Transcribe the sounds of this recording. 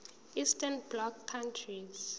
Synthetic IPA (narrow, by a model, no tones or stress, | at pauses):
istʰɛnblɔkʰːãntʰriz